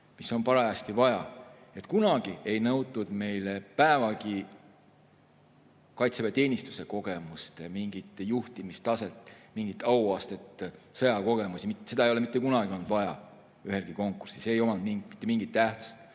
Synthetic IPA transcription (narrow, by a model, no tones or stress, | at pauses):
miso̞npɑɾɑæst̪ivɑjɑ | e̞t̪kunɑɡ̥ie̞jnɤwt̪ːˑud̪̥me̞jlepæevɑki | kɑjt̪sevet̪e̞ːnʲist̪u̥se̞ko̞ɡ̥e̞must̪miŋɡ̥it̪ːˑjuht̪imist̪ɑse̞t̪ːˑmiŋɡ̥it̪ːˑɑwɑːst̪et̪ːsɤjɑko̞ɡ̥e̞musimit̪se̞d̪ɑejoemit̪ːe̞kunɑɡ̥iond̪̥vɑjɑ̰ | yɦe̞lɡ̥iko̞ŋkːursiseejo̞mɑnd̪miŋmit̪ːemiŋɡit̪ːæht̪su̥st̪